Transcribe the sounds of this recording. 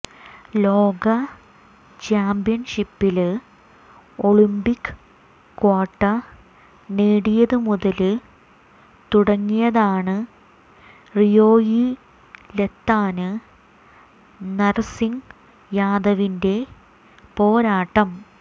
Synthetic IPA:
lo̞ːɡɐ | t͡ɕaːmbijɐnʂipːil | o̞ɭimbikːɨ̥ | kːwaːʈːɐ | neːɽijɐðɨmuðɐlɨ | t̪uɽɐŋːijɐðaːɳɨ | rijo̞ːji | let̪ːaːnɨ | nɐrsiŋ | jaːd̪ɐʋinde̞ | po̞ːɾaːʈːɐm

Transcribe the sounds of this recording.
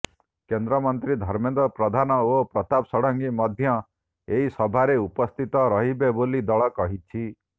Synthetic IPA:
kend̪ɾɔmɔnt̪ɾid̪ʱɔɾmend̪ɔpɾɔd̪ʱanɔopɾɔt̪apsɔɽɔŋɡimɔd̪ʱjɔ | eɦisɔbʱaɾeupɔst̪ʰit̪ɔɾɔɦibebolid̪ɔɭɔkɔɦit͡ʃʰi

